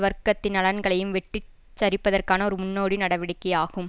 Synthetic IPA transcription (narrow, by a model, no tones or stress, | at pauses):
ʋɐɾkɐt̪ːɪnɐɭɐnɡɐɭɐjɯmʋɛʈri | t͡ʃːɐɾɪpːɐðɐrkaːnɐɔɾɯmʊnːoːɽinɐɽɐʋɪɽɐkːɐjaːɣɯm